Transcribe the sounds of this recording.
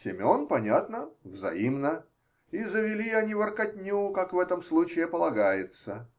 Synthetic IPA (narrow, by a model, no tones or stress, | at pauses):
sʲɪmʲonpɐnʲat̪nəvzɐ̰imnə | izəvʲɪlʲiɐnʲivərkɐtʲnʲukakvɛt̪əmslˠut͡ɕɪɪpəlˠɐɡajɪt̪sə